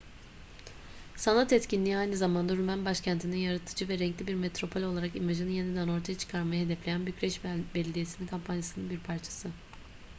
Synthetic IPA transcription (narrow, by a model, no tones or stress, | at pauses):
sanat̪ɛt̪cinlʲiːajnɯzamand̪aɾymænbaʃcʰænt̪ʰininjaɾat̪ʰɯ̥d͡ʒɯvɛɾɛŋclʲibiɾmet̪ɾo̞pʰo̞lʲo̞lˠaɾakimaʒɯnɯje̞nid̪æno̞ɾt̪ʰajat͡ʃʰɯ̥kʰaɾmajahed̪ɛflʲe̞jænbycɾɛʃbɛlʲed̪ijesininkʰampʰanjasɯnɯnbiɾpʰaɾt͡ʃʰḁsɯ